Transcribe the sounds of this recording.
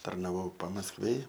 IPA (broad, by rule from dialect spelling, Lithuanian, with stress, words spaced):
tɐrnɐˈʋɐʊ pɐmɐskˈʋʲeːj